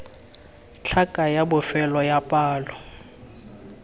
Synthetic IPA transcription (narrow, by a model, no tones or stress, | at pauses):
t͡ɬʰakʼajabʊfɛlɔjapʼaːlɔ